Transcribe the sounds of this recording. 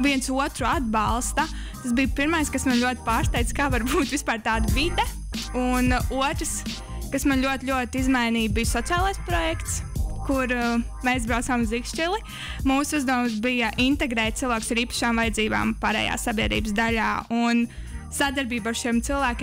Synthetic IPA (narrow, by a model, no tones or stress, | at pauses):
viɛnsuɔt̪ɾuad̪̚bɑlˠst̪ɐ | t̪asbijpiɾmajskasmanlʲuɔt̪̚ʲpaːɾst̪ajt̪skaːʋaɾbuːt̪ʋispaːɾt̪aːd̪avid̪ɛ | unuɔt̪ɾəs | kasmanlʲuɔt̪lʲuɔt̪izmajniːbijsɔt̪siaːlˠajspɾɔjɛkt̪skuɾ | meːs̬bɾawtsaːmuzikʃt͡ʃilˠi | muːsuzd̪uːms̬bijɐʔint̪ɛɡɾɛːt̪t̪silˠʋaːksaɾiːpḁʃaːmvajɛd̪ziːba̰ːmpaːɾɛ̰ːja̰ːsabʲiɛd̪ɾḭːbsd̪aʎʲaːun | sad̪aɾbiːbaɾʃimt̪silˠʋæːkʲː